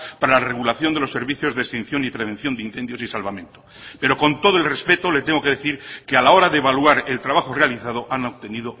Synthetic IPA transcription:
paɾalareɣulaθjond̪elo̞sːe̞ɾβiθjo̞zðekst̪in̟θjo̞nipɾeβe̞n̟θjo̞nd̪einθe̞nd̪jo̞sisalβamjẽ̞nt̪o | pe̞ɾo̞ko̞nt̪o̞ð̞oe̞lrespe̞t̪o̞le̞t̪eŋɡo̞ke̞ðeθiɾkealao̞ɾaðeːβalwaɾe̞lt̪ɾaβaxorealiθaðo̞ʔanoβt̪e̞niðo

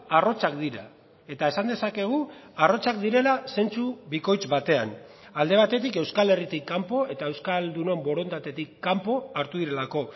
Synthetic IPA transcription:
aro̞t͡sakd̪iɾa̰ | e̞t̪ae̞sand̪e̞sake̞ɣ̞uaro̞t͡sakd̪iɾe̞lase̞nt͡suβiko̞jt͡sβat̪e̞a̰n | ald̪e̞β̞at̪e̞t̪ike̞wskale̞rit̪ikːampo̞e̞t̪ae̞wskald̪uno̞mbo̞ɾo̞nt̪at̪e̞t̪ikːampo̞aɾt̪uðiɾe̞lako̞

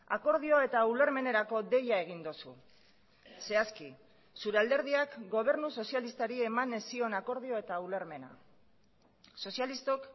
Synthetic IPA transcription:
ako̞ɾð̞io̞e̞t̪aule̞ɾme̞ne̞ɾako̞d̪e̞jae̞ɣ̞ind̪usṵ | se̞aski | suɾeald̪e̞ɾð̞iakɡo̞β̞e̞ɾnuso̞sjalist̪aɾie̞manesio̞nako̞ɾð̞io̞e̞t̪auleɾme̞na̰ | so̞sjalist̪ok

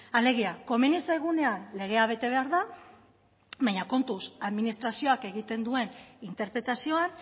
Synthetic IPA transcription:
ale̞ɣ̞iako̞menisajɣ̞une̞anle̞ɣ̞e̞aβ̞e̞t̪e̞β̞e̞aɾða | βajɲako̞nt̪usaðminist̪ɾasio̞ake̞ɣ̞it̪e̞nd̪ue̞nint̪e̞ɾpɾe̞t̪asio̞an

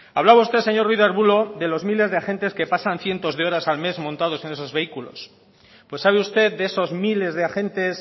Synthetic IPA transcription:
aβlaβaust̪e̞se̞ɲo̞rwiðaɾβulo̞ðe̞lo̞zmile̞zðe̞axe̞nt̪e̞ske̞pasanθje̞nt̪o̞zðe̞o̞ɾasalme̞zmõnt̪að̞o̞se̞ne̞so̞zβe̞ikulo̞̰s | pwe̞sːaβeust̪e̞ðdeeso̞zmile̞zðeaxẽ̞nt̪e̞s

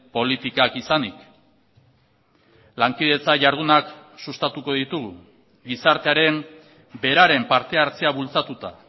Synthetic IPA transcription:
po̞lit̪ikakisanik | laŋkiðe̞t͡saʝaɾðunaksust̪at̪uko̞ðit̪uɣu | ɡisaɾt̪e̞aɾe̞ŋ | be̞ɾaɾe̞mpaɾt̪e̞aɾt͡se̞aβult͡sat̪ut̪a

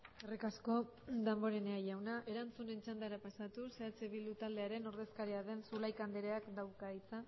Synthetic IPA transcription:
erikasko̞ | d̪ambo̞ɾeneajawnaʔe̞ɾant͡sune̞nt͡ʃand̪aeɾapasat̪useat͡seβild̪ut̪ald̪e̞aɾe̞no̞ɾðe̞skaɾiaðe̞nsulajkand̪eɾeakd̪awkait͡sa

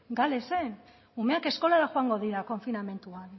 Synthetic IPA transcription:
ɡale̞sen | ume̞akesko̞laɾaxoaŋɡo̞ðiɾako̞ɱfiname̞nt̪uan

